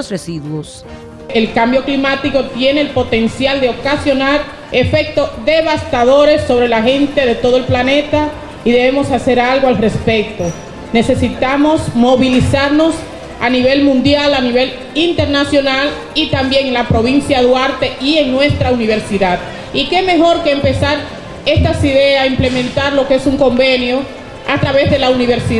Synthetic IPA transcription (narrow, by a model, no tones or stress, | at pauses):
sresiðwos | elkambjo̞klimat̪iko̞t̪je̞ne̞ːlpo̞t̪e̞nsjald̪eo̞kasjo̞naɾ | e̞fe̞k̚t̪o̞sðe̞βast̪aðo̞ɾe̞sːo̞βɾe̞lahe̞nt̪e̞ðe̞t̪o̞ð̞oe̞lplane̞t̪a | iðe̞βe̞mo̞sase̞ɾalɣoalre̞spe̞k̚t̪o | ne̞se̞sit̪amo̞smo̞βilisaɾno̞s | aniβe̞lmũnd̪jalaniβe̞l | int̪e̞ɾnasjonal | it̪ambje̞ŋelapɾo̞βinsjaðwaɾt̪e̞ie̞ŋnwe̞st̪ɾauniβ̞e̞ɾsiðað | ike̞me̞ɦo̞ɾkeːmpe̞saɾ | e̞st̪asiðe̞aimple̞mẽnt̪aɾlo̞keesuŋko̞mbe̞njo̞ | at̪ɾaβe̞zðe̞launiβe̞ɾsi